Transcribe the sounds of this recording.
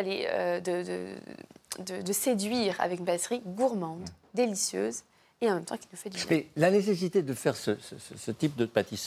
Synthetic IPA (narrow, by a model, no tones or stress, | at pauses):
aleø̰d̪əd̪ə̰d̪əd̪əsed̪ɥiʁa̰vɛkynpalɛsʁiɡuʁmɑ̃d̪ | d̪elisjø̰ːz | eɑ̃mɛmt̪ɑ̃kʲinufɛd̪yjamɛlanes̬es̬it̪ed̪əfɛʁsəsəsəsət̪ip̚d̪əpat̪is